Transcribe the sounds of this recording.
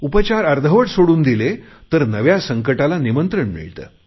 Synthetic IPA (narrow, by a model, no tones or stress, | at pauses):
upət͡ɕaɾəɾd̪ʱəʋəʈsoɽuːnd̪ilet̪əɾnəʋjasəŋkəʈalanimənt̪ɾəɳmḭɭt̪ə̰ː